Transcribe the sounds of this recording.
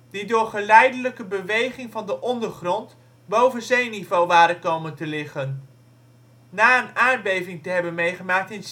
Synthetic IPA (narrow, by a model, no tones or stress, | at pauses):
d̥idʊːɹχəlɛjdələkəbəʋejχɪŋvɑndəʔɔndəɹχrɔnt | bowvənzejnivowʋaːɾəkowməntəlɪχən | naːənaːnbejvɪŋtəɦɛbənmejχəmaːk̚tɪns